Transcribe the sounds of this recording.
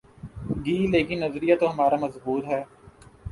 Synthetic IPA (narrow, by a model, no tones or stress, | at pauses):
ɡiːleːkɪnːɐzɾijat̪oɦɐmaːɾamɐzbuːt̪ɦɛː